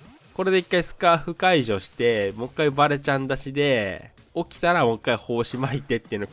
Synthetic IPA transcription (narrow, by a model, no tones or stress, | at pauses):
ko̞ɾe̞d̪e̞ikːaisɨ̥kaːɸɯ̟kaiʑo̞ːɕi̥t̪e̞mo̞kːaibaɾe̞t͡ɕãnd̪aɕid̪e̞ | o̞kʲi̥t̪aɾamo̞kːaiho̞ːɕimait̪e̞t̪ːeiɯ̟n